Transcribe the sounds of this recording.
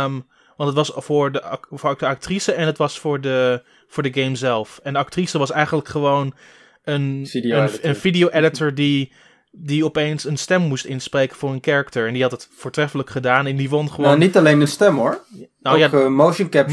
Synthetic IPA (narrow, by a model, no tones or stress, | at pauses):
m | ʋɑntətʋɑsfʊːɹdəfəɑk̚trisəɛnɦətʋɑsfʊːɹdə | fʊːɹdəɡejmzɛlˠfɛndəɑk̚trisəʋɑsɛjχənləkχəʋown | əniənənfidijowʔɛdətəɹdi | diɔpejnsənstɛmmustɪnsprejkənvʊːɹənkɛɹək̚təɹɛndiɦɑtətfʊːɹtrɛfələkχədaːnɛndiʋɔntχəʋonitɑlejnənstɛmoɹnojamowʃənkɛp